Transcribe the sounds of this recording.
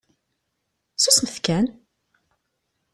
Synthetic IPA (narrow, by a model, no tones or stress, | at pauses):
susməθkæn